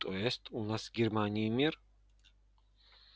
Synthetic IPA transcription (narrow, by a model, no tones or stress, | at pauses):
t̪ʼɔɛst̪ʼunasɡɛɾmanimiɾ